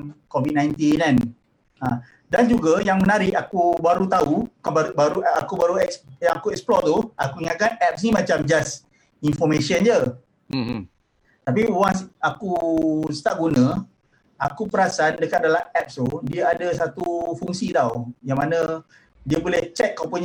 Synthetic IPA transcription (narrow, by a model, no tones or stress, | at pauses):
kovit̚nãjnt̪inan | ã | dand͡ʒuɡajaŋmənaɾɪʔakubaɾut̪aukababaɾua̰kubaɾuɛksjakuɛksplɔt̪ua̰kuiŋakanɛp̚snimãt͡ʃamd͡ʒas | infɔmẽsənd͡ʒə | t̪ap̬iwansakusə̥t̪aʔɡunə̃ | akupəɾasandəkat̪̚dalaɛp̚st̪udiaadəsat̪ufuŋsit̪awjaŋmanə̃ | diəbolɛht͡ʃɛk̚ːapəɲ